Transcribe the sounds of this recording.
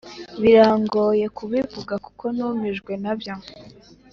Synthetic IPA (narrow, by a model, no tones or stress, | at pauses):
βiɾaːŋɡoːje̞kuβivuɡaku̥kʰo̞nuːmiʒɡwe̞nabjo